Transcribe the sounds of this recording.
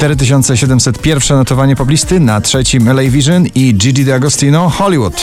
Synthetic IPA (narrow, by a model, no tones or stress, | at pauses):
t̪ɛɾɘt̪̬ɘɕ̬ɔnt̪sɛɕɛd̪ɛmsɛt̪pʲjɛɾfʂɛnɔt̪ɔvaɲɛpɔblʲist̪ɘnatʂɛt͡ɕimɛlɛjvʲiʐɛnid͡ʒidid̪ɛaɡɔst̪inɔxɔlʲiwut̪